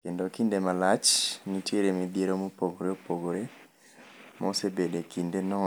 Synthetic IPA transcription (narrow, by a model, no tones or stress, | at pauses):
kendokindemalat͡ʃnitjeɾemebjeɾomopoɡoɾeopoɡoɾe | mʔosebedekindenɔ